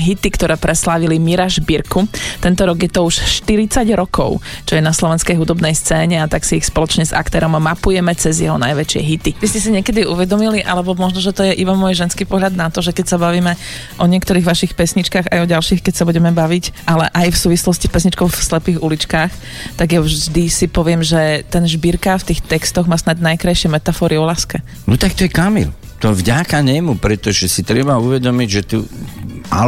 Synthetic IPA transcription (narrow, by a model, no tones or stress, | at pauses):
ɦit̪ikt̪ɔɾɛːpɾɛslaːʋilimiɾaʒbiɾkut̪ɛnt̪ɔɾɔɡjɛt̪ɔuʃʃt̪iɾit͡saɟɾɔkɔ̰ʊt͡ʃɔjɛnaslɔʋɛnskɛjɦud̪ɔbnɛjst͡sɛːɲɛat̪aksiixspɔlɔt͡ʃɲɛza̰kt̪ɛːɾɔmamːapujɛmɛt͡sɛzjɛɦɔnajʋɛt͡ʃɪɛ̰ɦit̪iʋiscɛs̬iɲɛkɛd̪iṵʋɛd̪ɔmiliʔa̰lɛbɔmɔʒnɔʒɛt̪ɔjɛʔibamɔjʒɛnskipɔɦʎad̪nat̪ɔʒɛkɛcsabaʋiːmɛ | ʔɔɲɪɛkt̪ɔɾiːɣʋaʃixpɛsɲit͡ʃkaːɣajɔɟalʃiːxkɛcsabuɟɛmɛbaʋicʔalɛ̰ʔajfsuːʋislɔscispɛsɲit͡ʃkɔʊfslɛpiːɣulit͡ʃkaːx | t̪aɡjaʒd̪isipɔʋɪɛmʒɛt̪ɛnʒbiɾkaft̪iːxt̪ɛkst̪ɔɣmaːsnad̪najkɾajʃɪɛmɛt̪afɔɾiɔlaːskɛ | nɔt̪ak̚t̪ɔjɛkamḭl | t̪ɔvɟakaɲɛmupɾɛt̪ɔʒɛsit̪ɾɛbauʋɛd̪ɔmiɟʒɛt̪u | a̰